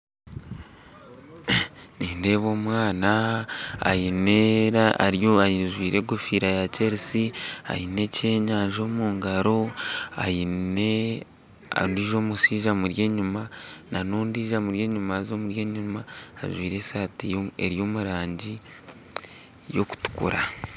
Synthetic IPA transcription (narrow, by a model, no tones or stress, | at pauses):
niːnde̞ːβo̞ːmwaːna | a̰jineɾaa̰ɾjoajiʒwiːɾe̞ɡofiɾajaceɾisia̰jine̞ceːɲaːɲʒo̞ːmuːŋɡaɾo̞a̰jine | a̰ndiʒo̞ːmusiːʒamuɾjeːɲumananoːndiːʒamuɾjeːɲumaːzo̞ːmuɾjeːɲuma̰ːʒwiːɾe̞saːtiḛɾjo̞ːmuɾaːɲɟi | jo̞̰ku̥tu̥kṵɾa